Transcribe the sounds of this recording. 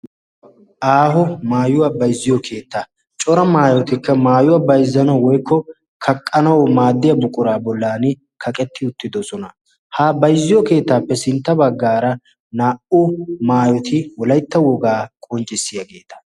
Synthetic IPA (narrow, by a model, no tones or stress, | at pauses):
ʔaːɦɔmaːjʊwɐbɐjzːɪjɔkʰe̞ːt̪ːa | t͡ʃʼɔɾɐmaːjɔt̪ɪkːɐmaːjʊwɐbɐjzːɐnɐwwɔjkʰːɔ | kʰɐkʼːɐnɐwmaːd̪ːɪjɐbʊkʼʊɾaːbɔlːaːnɪ | kʰɐkʼɛt̪ʰːɪʊt̪ːɪd̪ɔsɔnɐ | haːbɐjzːɪjɔke̞ːt̪ːaːpːɛsɪnt̪ːɐbɐɡːaːɾɐ | naːʔʊmaːjɔt̪ʰɪwɔlɐjt̪ːɐwɔɡaːkʼɔnt͡ʃʼːɪsːɪjɐɡe̞ːt̪ɐ̥